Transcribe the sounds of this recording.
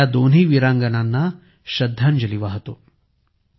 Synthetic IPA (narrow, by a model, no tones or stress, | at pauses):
ad̪oːn̤iːʋiɾaːŋɡɐnaːnːɐ | ʃɐd̪ʱːaːnd͡ʒɐliʋaːɦɐt̪u